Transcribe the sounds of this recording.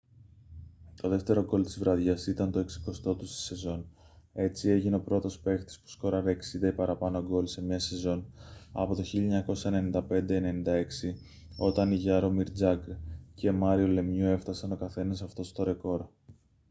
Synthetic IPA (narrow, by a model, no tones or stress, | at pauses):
t̪o̞ðe̞ft̪e̞ɾo̞ɡo̞lt̪izvɾɐðʝɐsit̪ɐnt̪o̞e̞ksi̥ko̞st̪o̞t̪ust̪i̥se̞zo̞n | e̞t͡sie̞ʝineo̞pɾo̞t̪o̞spe̞xt̪i̥spu̥sko̞ɾɐɾe̞ːksind̪ɐipɐɾɐpɐnoɡo̞lse̞mɲɐse̞zo̞nɐ̰po̞t̪o̞çiʎɐoɲɐko̞sɐene̞nind̪ɐpe̞nd̪eːne̞nind̪ɐe̞ksi | o̞t̪ɐniʝɐɾo̞miɾd͡zɐɡce̞mɐɾio̞le̞mɲue̞ft̪ɐsɐno̞kɐθe̞nɐsɐft̪o̞st̪o̞ɾe̞ko̞ɾ